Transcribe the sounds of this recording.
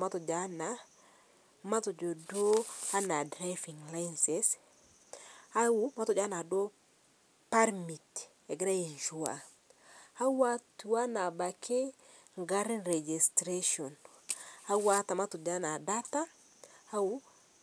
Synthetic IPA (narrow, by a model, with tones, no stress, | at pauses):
ma˦tɔ˨d͡ʒa˦na˨ | ma˦to˨d͡ʒo˨do˦a˦na˨dɾa˦fi˨ŋla˦jnses | a˦wu˨ma˦tɔ˨d͡ʒa˦na˨do˦ | pa˦ɾmi˨t | e˨ɡɾa˦ji˨nʃu˨a̰˨ | a˦wa˦tu˨wa˦na˨ba˨kʰe˦ | ŋɡa˦ɾi˦nɾe˨d͡ʒi˨stɾe˦ʃo˨n | a˦wa˦ta˨ma˦tɔ˨d͡ʒa˦na˨da˦ta˦ | a˦wu˦